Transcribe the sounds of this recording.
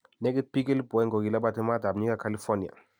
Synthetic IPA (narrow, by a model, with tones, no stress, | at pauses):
nɛ˦ɡi˦t̚pi˦ɡi˦lbɔ˨ɛ˦ŋɡo˨ɡi˨la˦ba˦ti˦ma˦da˨ɲi˦ka˦ka˦li˦fɔ˦ni˨a̰˨